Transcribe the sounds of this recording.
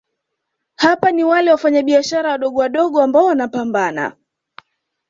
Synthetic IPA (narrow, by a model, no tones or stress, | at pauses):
hapaniwalɛwafaɲaɓiaʃaɾawaɗɔɠɔwaɗɔɠɔambaɔwanapambana̰